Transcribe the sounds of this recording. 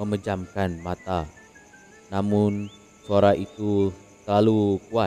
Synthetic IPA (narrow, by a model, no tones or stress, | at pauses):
əməd͡ʒamkanmat̪a | namʊn | suaɾaʔit̪u | səlalukua